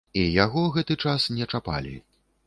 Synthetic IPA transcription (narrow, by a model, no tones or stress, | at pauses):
ijaɣɔɣɛt̪ɨt͡ʂasnʲɛt͡ʂapa̰lʲḭ